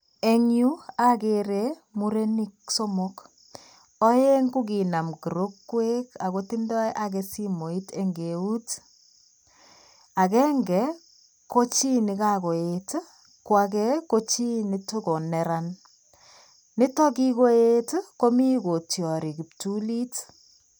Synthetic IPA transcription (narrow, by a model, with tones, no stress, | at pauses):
e˨ŋju˦a˦ke˨ɾe˦ | mu˦ɾe˦ni˦k̚so˦mo˦k | ɔ˦je˦ŋɡu˦k̬i˨na˨mki˨ɾo˦kːwe˦ka˨ko˦ti˦ndɔ˦jʔa˦k̬e˦si˦mo˨i˦te˦ŋɡe˨u˦t | a˨kɛ˦ŋɡɛ˨˦ | ko˦t͡ʃi˦ni˨ka˦ko˨et | kwa˨k̬ɛ˦ko˦t͡ʃi˦ni˦to˦ko˨nɛ˨ɾa˦n | nɪ˦tɔ˦ki˦ko˦e˦tko˦mi˦ko˨tjɔ˨ɾi˨ki˨ptu˦li˦t